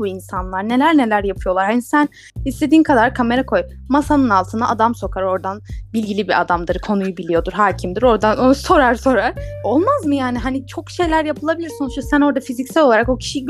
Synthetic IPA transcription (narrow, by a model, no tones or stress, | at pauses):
uinsanlˠaɾne̞lʲæɾne̞lʲæɾjapʰɯjo̞lˠaɾɦanisæn | hist̪e̞d̪iːnkʰad̪aɾkʰame̞ɾakʰo̞j | masanɯnalˠt̪ʰɯnd̪a̰ʔːd̪amso̞kʰaɾo̞ɾd̪anbilʲɡɟilʲibia̰d̪amd̪ɯɾkʰo̞nujubilʲijo̞d̪uɾɦaːcʰimd̪iɾo̞ɾd̪anoso̞ɾaɾso̞ɾaɾ̥o̞lˠmazmɯjaːniɦanit͡ʃʰo̞kʃe̞jlʲæɾjapʰɯlˠabilʲiɾso̞nuʃt̪asæno̞ɾd̪afizicsælʲo̞lˠaɾako̞cʰi̥ʃi